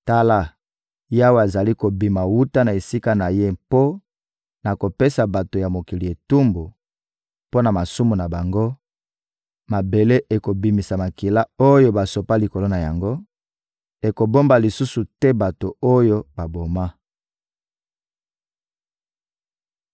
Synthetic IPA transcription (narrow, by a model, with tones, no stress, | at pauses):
ta˦la˦ | ja˦wa˨a˨za˨li˦ko˨bi˨ma˨wu˦ta˦na˨e˨si˦ka˦na˨je˦po˦ | na˨ko˨pe˦sa˨ba˨to˨ja˨mo˨ki˨li˨e˨tu˦mbu˨ | po˦na˨ma˨su˦mu˨na˨ba˨ŋɡo˦ | ma˨be˨le˦ʔe˨ko˨bi˨mi˨sa˨ma˨ki˨la˦o˦jo˦ba˨so˨pa˦li˨ko˨lo˦na˨ja˨ŋɡo˦ | e˨ko˨bo˦mba˨li˨su˦su˨tɛ˦ba˨to˨o˦jo˦ba˨bo˨ma˦